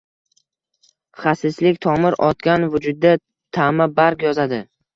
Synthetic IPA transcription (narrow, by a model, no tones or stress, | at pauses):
χasɪslɪkʲt̪ʰɒmɪɾɒt̪kʲanvʊd͡ʒʊd̪̚ːa | t̪ʰamabaɾkʲjɒzad̪ɪ